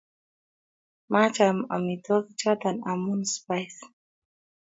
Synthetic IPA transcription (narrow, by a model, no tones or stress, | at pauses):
mat͡ʃama̰mid̪ɔkit͡ʃad̪anamunspajs